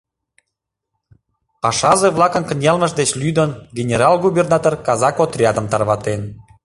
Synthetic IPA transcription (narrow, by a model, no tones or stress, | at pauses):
pɑʃɑʒeβlɑkə̆nkənʲjɑlmə̆ʃd̪et͡ɕlʲyd̪ənɡʲenʲeɾɑlɡubʲernɑt̪orkɑzɑkot̪rʲiɑt̪ə̆mt̪ɑrβɑt̪en